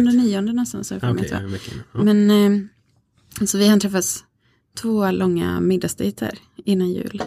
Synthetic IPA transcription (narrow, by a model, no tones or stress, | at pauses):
nɾaniːɔnd̪ənɔnst̪a̰nshafɔmɛ̰t̪ʰva̰mɛn | sɔvɪhat̪ʰɾɛfːat̪s | t̪ʰvoːlʔɔŋːa̰mɪd̪ːast̪iːt̪ʰə̰ɾ | ɪnːanjʉ̟̰ːl